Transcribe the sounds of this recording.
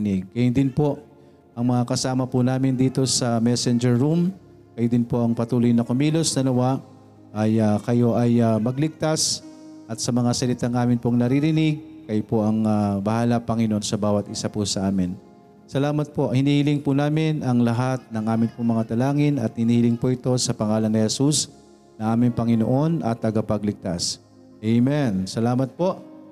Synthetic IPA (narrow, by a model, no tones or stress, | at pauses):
nɪɡ̚kɐjʊnd̪ɪnpo̞ʔ | ʔɐŋmɐŋakɐsaːmɐpʊnaːmɪnd̪iːt̪o̞sɐmɛsɛnd͡ʒɛɹːum | kɐjod̪ɪnpo̞ʔɐŋpɐt̪uːlojnɐkomiːlosnɐlɐwaʔ | ʔɐjakɐjo̞ʔɐjamɐɡlɪɡ̚t̪asʔɐt̪̚sɐmɐŋasɐlɪt̪aŋʔaːmɪnpoŋnɐɾiɾɪnɪɡ̚kɐjopo̞ʔɐŋabɐhaːlapɐŋɪnoʔo̞nsɐbaːwɐt̪ʔɪsapʊsɐʔaːmɪn | sɐlaːmɐt̪̚po̞ʔhɪniːhɪlɪŋpʊnaːmɪnɐŋlɐɦat̪̚nɐŋʔaːmɪnpoŋmɐŋat̪ɐlaːŋɪnɐt̪̚hɪniːhɪlɪŋpoʔɪt̪o̞sɐpɐŋaːlɐnnɪhɛsus | nɐʔaːmɪŋpɐŋɪno̰ʔo̞nɐ̰t̪ːɐɡapɐɡlɪɡ̚t̪as | ʔɛjmɛnsɐlaːmɐt̪̚po̞ʔ